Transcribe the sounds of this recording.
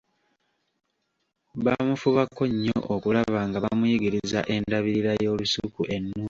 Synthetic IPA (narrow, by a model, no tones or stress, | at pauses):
βamufuβakʰːo̞ɲːo̰ʔokulaβaːŋɡaβamujiɡiɾiza̰ʔe̞ndaβiɾiɾajo̞ːlusukuʔe̞nːuː